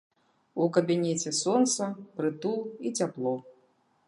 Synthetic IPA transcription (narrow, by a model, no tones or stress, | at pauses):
ukɐbʲinʲɛt͡sʲɛsɔnt̪sɐpɾɨt̪ulˠit͡sʲaplˠɔ